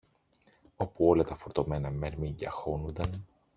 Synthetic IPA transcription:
o̞puo̞lɐt̪ɐfo̞ɾt̪ome̞nɐmeɾmiɲɟɐxo̞nund̪ɐn

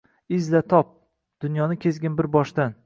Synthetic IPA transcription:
ɪzlat̪ʰɒp̚ | d̪̥ʊnjɒnɪkʲʰezɡʲɪnbɪɾbɒʃd̪an

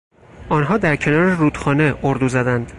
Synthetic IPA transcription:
ʔɒːnɦɒːd̪æɾcʰe̞nɒːɾeruːd̪̥xɒːneʔoɾd̪uːzæd̪ænd̪̥

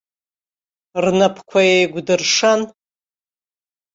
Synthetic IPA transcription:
rnapʰkʷʰaejɡʷdɨrʂan

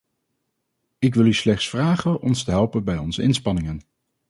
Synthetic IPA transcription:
ɪk̬ʋɪlˠyslɛχtsfraːχəʔɔnstəɦɛlˠpənbɛjɔnzəɪnspɑnɪŋən

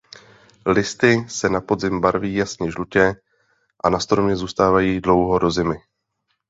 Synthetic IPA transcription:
lɪst̪ɪsɛnapo̞dzɪmbaɾviːjasɲɛʒlucɛ | ʔanast̪ɾo̞mɲɛzuːst̪aːvajiːdlo̞wɦo̞ɾo̞zɪmɪ

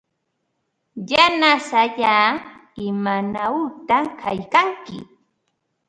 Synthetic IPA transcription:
janasaʎaːɪmanaut̪akʰajkaŋkɪ̰

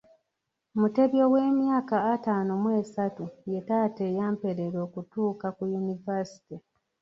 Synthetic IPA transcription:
mute̞βjo̞we̞ːmjaːkaːtaːnomweːsatuje̞taːtejaːmpe̞ɾeɾo̞ːkutuːkakujunivasi̥ti

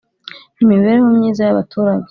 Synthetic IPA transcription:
nimiβeɾeɦomɲiːzajaβa̰tʰuːɾaɲe

